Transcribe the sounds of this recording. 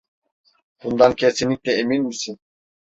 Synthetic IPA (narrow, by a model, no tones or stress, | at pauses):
b̥und̪ɑŋkʲʰesinik̚ʲt̪ɛeminmisin